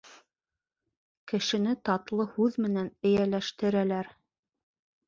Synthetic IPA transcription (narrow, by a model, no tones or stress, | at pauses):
kɘ̆ʃɘ̆nɘt̪ɑt̪lˠɤhʉðmɘ̆nænɘ̆jælæʃt̪ɘ̆ɾælæɾ